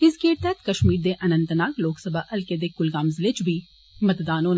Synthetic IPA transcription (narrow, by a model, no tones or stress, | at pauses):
ɪskeːɾt̪ɛt̪kɐʃmiːɾd̪eʔɐnə̃nt̪naːkloːksəbʱaʔɐlked̪ekʊlɡaːmzɪlet͡ʃbʱi | mɐt̪d̪aːnõːn